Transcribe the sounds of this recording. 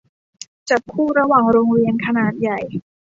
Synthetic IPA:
t͡ɕa˨˩p̚kʰːuː˥˩ɾa˧waː˨˩ŋɾoː˧ŋɾi˧ənkʰa˧naː˨˩t̪̚ja˨˩j

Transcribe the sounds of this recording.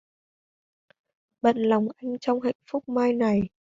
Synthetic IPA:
ɓə̰˧˨nla˨˩wŋ͡mʔa˧jŋ̟t͡ɕɔ˧wŋ͡mɦa̰˧˨jŋ̟fʊ˦˥k͡p̚maː˧jna˨˩j

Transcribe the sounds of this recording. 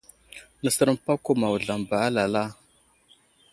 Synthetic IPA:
nə˨sə˦ɾə˦mpa˦ko˦ma˨wu˨ɮa˨mba˨a˦la˨la˦

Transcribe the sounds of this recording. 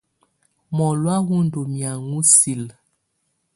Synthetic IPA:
mɔ˨lwa˦ɣu˦ndo˨mja˨ŋu˦si˨l

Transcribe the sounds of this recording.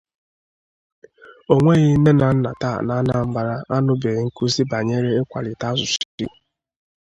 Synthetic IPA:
o˨ŋʷe˦ɣɪ˦ne˦na˨n̩˦na̰˨ta̰˦˨na˦na˦˨m̩˦ba˨ɾa˦ʔa˦nʊ˦be˨ŋ̩˦ku˦si˦ba˨ɲe˦ɾe˦e˦kʷa̰˨lɪ˨ta˦zʊ˨si˦

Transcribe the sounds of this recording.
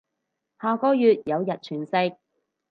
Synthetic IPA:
haː˨kɔː˧jyː˨t̚jɐ˨˧wjɐ˨t̚t͡ʃʰyː˨˩nsɪ˧k̚

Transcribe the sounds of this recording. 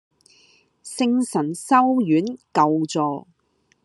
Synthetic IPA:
sɪ˥ŋsɐ˨˩nsɐ˥wjyː˨˥nkɐ˨wt͡sɔː˨˧

